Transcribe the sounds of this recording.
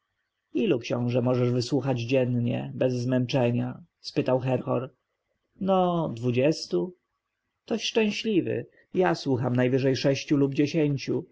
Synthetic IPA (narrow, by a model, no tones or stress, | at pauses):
ilukɕɔ̃w̃ʐɛmɔʐɛʐvɘswuxad͡ʑd͡ʑɛnɲɛ̰bɛzːmɛnt͡ʂɛɲa | spɘt̪awxɛɾxɔ̰ɾ | nɔd̪vud͡ʑɛst̪u | t̪ɔɕʂʂt͡ʂɛ̃w̃ɕlʲivɘ̰ | jaswuxamnajvɘʐɛjʂɛɕt͡ɕulubd͡ʑeɕeɲt͡ɕu